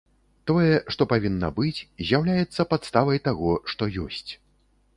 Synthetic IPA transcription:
t̪ɔjɛʂt̪ɔpavʲinːɐ̰bɨt͡sʲzʲjawlʲajɛt̪sːɐpat̪st̪avɐjt̪aɣɔʂt̪ɔjɔsʲt͡sʲ

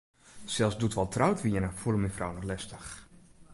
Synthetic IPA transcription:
sɛlˠsdutʋɔlˠtrawtʋiənəfulˠəminfrawnɔχlɛstəx

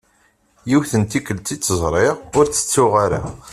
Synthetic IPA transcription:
jiwθənt̪ikəlt̪it͡sːəzˤɾˤɪʁʊɾt͡sːə̥t͡sːʊʁaɾa̰

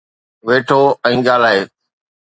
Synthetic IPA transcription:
ʋeːʈʰoːɛ̃ːɡaːlaːɦeː

